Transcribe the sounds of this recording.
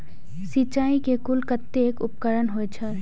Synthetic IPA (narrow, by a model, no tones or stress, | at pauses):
sit͡ʃaːikekʊlkət̪ːeːkʊpkəɾənɦoet͡ʃʰɛ